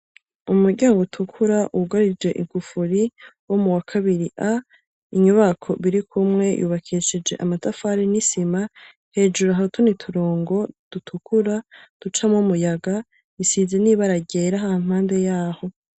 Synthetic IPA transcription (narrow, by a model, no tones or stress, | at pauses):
umuɾɟaːŋɡutʰukʰuɾaʔuɡaɾid͡ʒwe̞ʔiɡ̥ufuɾiwo̞muwakʰaβiɾiʔa | iɲuβakʰo̞βiɾikʰumŋe̞jʔṵːβakʰiʃid͡ʒe̞̰ʔa̰matafaɾinisima | he̞ːd͡ʒuɾaɦautʰonitʰuɾoːŋɡo̞d̥utʰukuɾad̥ut͡ʃamomujaɡa | isizeniβaɾaɟeːɾaɦam̥haːnde̞jaːho̞